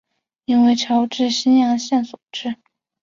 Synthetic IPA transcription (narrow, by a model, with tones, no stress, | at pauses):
i˥nwe˥˩ɪʈ͡ʂʰɑ˧˥ʊʈ͡ʂɻ̩˥˧ɕi˥njɑ˧˥ŋɕjɛ˥˩nswu˨˩ʈ͡ʂɻ̩˥